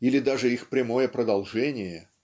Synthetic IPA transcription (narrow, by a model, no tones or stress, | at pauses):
ilʲɪd̪aʐɨixpɾʲɪmo̞jəpɾəd̪ɐlˠʐɛnʲɪjə